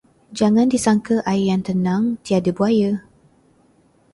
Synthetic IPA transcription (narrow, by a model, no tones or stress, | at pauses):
d͡ʒaŋãndisaŋkəʔajjant̪ənaŋt̪iadəbuajə